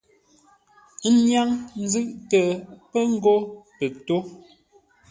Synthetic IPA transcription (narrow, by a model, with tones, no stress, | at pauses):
ɲja˦ŋn̩˦zʉ˦˨ʔtə˨pə˦ŋ̩˦ɡo˦pə˨k̚to˦